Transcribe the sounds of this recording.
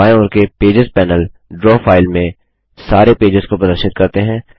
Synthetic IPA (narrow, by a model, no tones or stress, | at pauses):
aːẽʊnkepeːd͡ʒɪzpɛːnəlɖɾɔːfaːɪlmẽ | saːɾepeːd͡ʒɪzkopɾəd̪əɾʃɪt̪̚kɐɾt̪eɦɛ̃ː